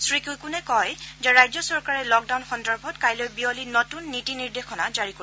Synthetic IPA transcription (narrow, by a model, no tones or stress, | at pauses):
sɹikujkʊnɛkɔjzɛɹajzɔsɔɹkaɹɛlɔk̚dawnxɔndaɹbʱɔtkajlojbiɔlinotunːitiniɹdexɔnazaɹiko